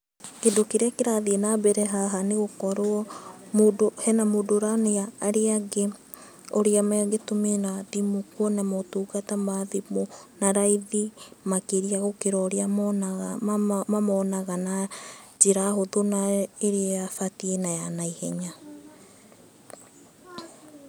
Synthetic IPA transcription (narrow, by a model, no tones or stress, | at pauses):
kedokeɾeakeɾaðienabɛɾɛɦaɦaneɣokɔɾoɔmodohɛnamodoɾaneaːɾeaɡe | oɾeamɛaɡetomenadimokuɔnamotuːɡatamaðimonaɾaiðimakeɾiaɣokeɾɔɾean | mamɔːnaɣanad͡ʒeɾaɦoðonaeɾeajafatienajanaihɛɲa